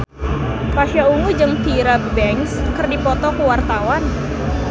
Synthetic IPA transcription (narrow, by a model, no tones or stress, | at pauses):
pasjauŋud͡ʒɨŋpiɾabəbɛŋskərdipɔt̪ɔkuwart̪awan